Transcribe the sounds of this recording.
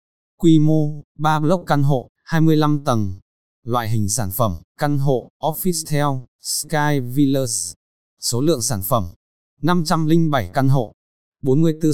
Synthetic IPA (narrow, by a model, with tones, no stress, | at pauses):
kwi˧mo˧ɓaː˧lə˦˥wk͡p̚ka˧nɦo̰˧˨ | haː˧jmɨ˧əjla˧mt̪ə˨˩n | lwa̰ː˧˨jɦï˨˩ŋ̟saː˧˩nfə˧˩mka˧nɦo̰˧˨ʔɔ˦˥fi˦˥st̪ʰɛ˧wskaː˧jvi˧ləː˧s | so˨˦lɨ̰˧˨əŋsaː˧˩nfə˧˩m | na˧mt͡ɕa˧mlï˧ŋ̟ɓa˧˩jka˧nɦo̰˧˨ | ɓo˨˦nmɨ˧əjt̪ɨ˧